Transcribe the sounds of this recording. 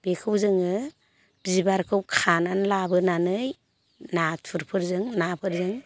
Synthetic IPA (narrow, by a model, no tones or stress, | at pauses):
b̥ekʰɯwzɯŋɯ | bizibaɾkʰɯwkʰananlabɯnanɯj | natpʰɯɾpʰɯɾzɯŋnapʰɯɾzɯŋ